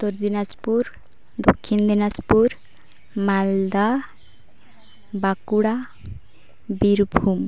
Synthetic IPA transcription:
t̪ɔɾd̪inaspuɾ | d̪okʰːind̪inaspuɾ | mald̪a | bakuɽa | biɾbʱum

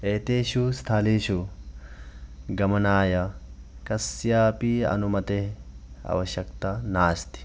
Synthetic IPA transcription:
ʔeːt̪eːʃuːst̪ʰaːleːʃu | ɡɐmɐnaːjakɐsːɪjaːpiɐ̰nʊmɐt̪eɐ̰wɐʃɐkt̪ɐnaːst̪ɪ̥

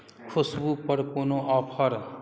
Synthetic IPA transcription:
kʰʊsbupəɾkonoɔpʰəɾ

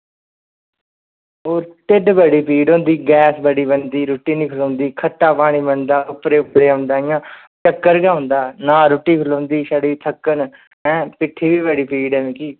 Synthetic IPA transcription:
oːɾʈ̪ɪɖbəɽiːpiːɖɦõːnd̪iːɡɛːsbəɽiːbənd̪iːɾoːʈiːnĩːkʰəlõːnd̪iːkʰəʈːaːpaːɽ̃iːbənd̪aːʊpɾeːʊpɾeːə̃ːnd̪aːɪjãː | t͡ʃəkːəɾɡãːʊ̃nd̪aːnãːɾoːʈːiːpʰəlõːnd̪iːsəɽiːt̪ʰəkːən | ɛ̃ːpɪʈʰːiːʋiːbəɽiːpʰiːɖɛ̃ːʋẽːkiː

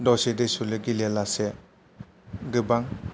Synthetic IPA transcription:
dɔsedesulɯɡilelase | ɡɯbaŋ

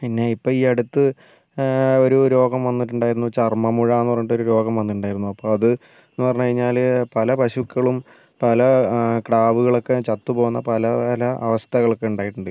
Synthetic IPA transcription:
pinːe̞ipːoɭiːɐɽut̪ːɨ | o̞ɾuɾo̞ːɡɐmʋɐnːiʈ̬ːuɳɖaːjiɾunːut͡ɕɐrmɐmuɻaːenːpɐrejuʈːo̞ɾuɾo̞ːɡɐmʋɐnːiʈːuɳɖaːjiɾunːuɐpːoːɐðɨ | enːupɐrɐɲːukɐɻiɲːaːlpɐlɐpɐɕukːɐɭum | pɐlɐkɽaːʋuɣɐɭo̞kːet͡ɕɐt̪ːupo̞ːunːɐpɐlɐlɐʔɐ̰ʋɐst̪ʰɐɣɐɭokːeuɳɖaːjiʈːuɳɖɨ

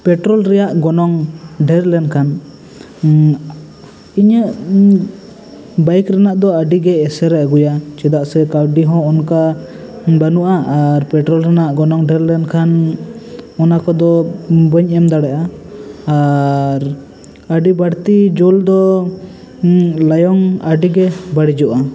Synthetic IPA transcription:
pɛʈɾɔlɾɛjaʔɡɔnɔŋɖɛɾlɛnkʰan | iɲəʔ | bajkɾanaʔd̪ɔəɖiɡɛːsɛɾɛʔɡujat͡ʃɛd̪aʔsɛkawɖiɦɔ̃ɔnka | banuʔaʔaɾpɛʈɾɔlɾanaʔɡɔnɔŋɖɛɾlɛnkʰan | ɔnakɔd̪ɔbəɲɛmd̪aɽɛʔaː | ɾ | aɖibaɽt̪id͡ʒɔld̪ɔ | lajɔŋaɖiɡɛbaɽid͡ʒɔʔa

